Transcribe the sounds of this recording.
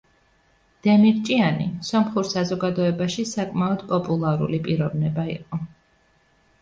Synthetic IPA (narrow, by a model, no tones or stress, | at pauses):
d̪̥ɛmiɾt͡ʃʼianḭsɔmχuɾsazɔɡad̪ɔɛbaʃisakʼmaɔd̪̥pʼɔpʼulˠaɾṵlipʼiɾɔvnɛbaḭqʼɔ